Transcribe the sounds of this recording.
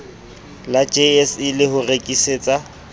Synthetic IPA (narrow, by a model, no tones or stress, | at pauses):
lad͡ʒeɛsɪlɪɦʊrekʼiseːt͡sʼa